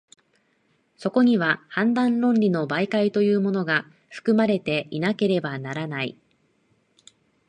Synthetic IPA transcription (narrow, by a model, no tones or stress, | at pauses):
so̞ko̞ɲ̟iβahãnd̪ãnɾõ̞nɾʲino̞baikait̪o̞jɯ̟ːmo̞no̞ɡa | ɸɯ̟̥kɯ̟maɾe̞t̪e̞ʔinake̞ɾe̞banaɾanaḭ